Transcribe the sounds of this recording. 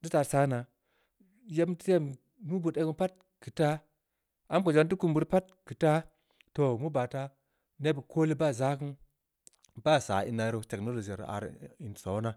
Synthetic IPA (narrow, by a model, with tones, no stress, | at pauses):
di˦ta˧ɾsa˦na˨ | je˦pm˦ti˦te˦˨m | nu˦bu˨de˦kə˦npa˦t̚ | ki˨ta˦ | a˦mko˨d͡ʒa˦nt̬u˦ku˦mbu˨ɾpa˦t̚ | ki˨ta˦ | to˨mu˦ba˨ta˦ | ne˦bi˨ko˦li˦ba˦˨za˦ki˦n | ba˦˨sa̰˨ḭ˨na˨˦ɾo˦te˨kno˦lo˨d͡ʒa˨ɾ̰a̰˨ɾi˨n˨so˨˦na˦